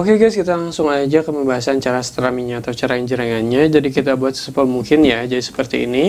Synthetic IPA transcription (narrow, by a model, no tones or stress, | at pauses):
okeɡajskit̪alaŋsʊŋad͡ʒakaməmbaɦasant͡ʃaɾasə̥t̪ɾamiɲaːt̪awt͡ʃaɾaəɲd͡ʒəɾaŋanɲad͡ʒadikit̪abuat̪sə̥səpamuŋkɪnjad͡ʒadisə̥pərt̪ḭːni